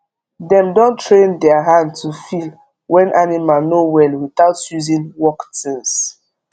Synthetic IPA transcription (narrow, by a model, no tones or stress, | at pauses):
dɛ̃mdɔ̃ntʰɹẽndɛaɦãndtʰufil | wɛ̃nʔanimalnowɛlwiθaʊtjuzĩnwɔktĩns